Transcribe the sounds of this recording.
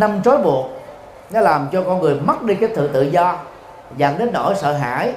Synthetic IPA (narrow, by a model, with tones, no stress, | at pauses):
na˧mt͡ɕɔ˨˦jɓu˨˩ək̚ | nɔ˨˦laː˨˩mt͡ɕɔ˧kɔ˧nŋɨ˨˩əjma˦˥t̚ɗi˧kaː˨˦jt̪ɨ̰˧˨t̪ɨ̰˧˨zɔ˧ | za˨˩ŋɗe˨˦nɗo̰˧˩˦sə̰ː˧˨ɦa̰ː˧˥˨j